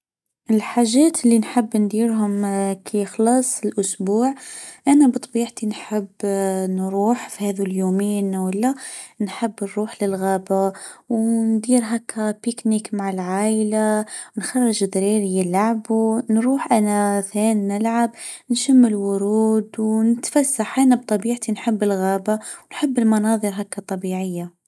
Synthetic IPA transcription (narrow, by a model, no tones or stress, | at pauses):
ʔɪlħaːʒæːt̪ɪlːinħɪbːnd̪iːɾɦʊmkʰixlɑːsˤɪlʔʊsbuːʕʔænabɨt̪ˤːbiːʕt̪inħɪbːnɾuːħfihæːðuljuːmijːnawɪlːanħɪbːnɾuːħlɪlɣæːbawnd̪iːɾɦakæpɪknikmaʕɪlʕaːʔlanxɑrˤːɑʒd̪ɾiːɾijɪlaʕbunɾuːħʔanaθæːnnɪlʕab | nʃamːɪlwʊɾuːd̪wnɪt̪fasːaħʔanab̚t̪ˤɑbiːʕt̪inħɪbːɪlɣæːbawnħɪbːɪlmɑnɑːðˤɨɾɦakːat̪ˤːɑbiːʕɪjːa